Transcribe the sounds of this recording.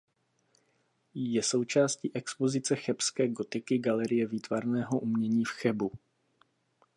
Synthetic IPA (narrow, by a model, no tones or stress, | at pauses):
jɛso̞wt͡ʃaːsciːʔɛkspo̞zɪt͡sɛxɛpskɛːɡo̞t̪ɪkɪɡalɛɾɪjɛviːt̪vaɾnɛːɦo̞ʔumɲɛɲiːfxɛbu